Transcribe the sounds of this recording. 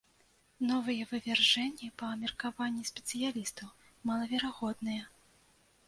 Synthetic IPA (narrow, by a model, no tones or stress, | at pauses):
nɔvɨjɛvɨvʲɛrʐɛnʲːipɐːmʲɛrkavanʲːisʲpʲɛ̥t̪sɨjalʲist̪ɐw | mɐlˠɐvʲɛɾaɣɔd̪nɨjɛ